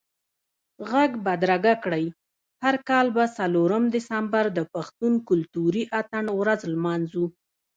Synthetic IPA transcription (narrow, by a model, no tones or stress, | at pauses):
ɣaɡbad̪ɾaɡakɽəj | haɾkɑlbasaloɾəmd̪ɪsambaɾd̪əpaxt̪unkʊlt̪uɾiʔat̪aɳwɾazlmɑnzu